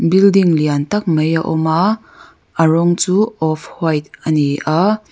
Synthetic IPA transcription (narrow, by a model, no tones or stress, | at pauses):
bildiŋliant̪ɐk̚mɐjaʔɔma | ʔaɹɔŋt͡suːɔfʰhɔjt̪̚ʔɐniʔa